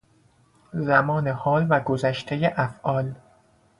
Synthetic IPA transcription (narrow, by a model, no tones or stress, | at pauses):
zæmɒːnehɒːlvæɡozæʃt̪ʰejeʔæfʔɒːl